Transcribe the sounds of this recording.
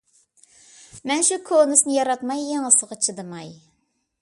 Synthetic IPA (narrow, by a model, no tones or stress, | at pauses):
mɛnʃukʰonɨsnɨjɑɾɑt̪mɑjːeŋəsəʁɑt͡ʃʰɨd̪ɨmɑj